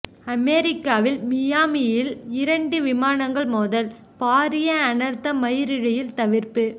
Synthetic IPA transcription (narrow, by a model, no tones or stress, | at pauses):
ɐmeɾɪkːaːʋɪlmɪjaːmɪjɪlɪɾɐɳɖɯʋɪmaːnɐŋɡɐɭmoːðɐl | paːɾɪjɐːnɐɾt̪ːɐmɐjɪɾɪɻɐjɪlt̪ɐʋɪɾpɯ